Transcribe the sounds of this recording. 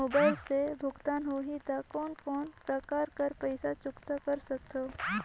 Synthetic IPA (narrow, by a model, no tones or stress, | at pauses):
oːbaːɪlsebʱʊɡt̪aːnɦoːɦit̪akɔːnkɔːnpɾəkaːɾkəɾpɛɪsat͡ʃʊkt̪akɐɾsɐkt̪o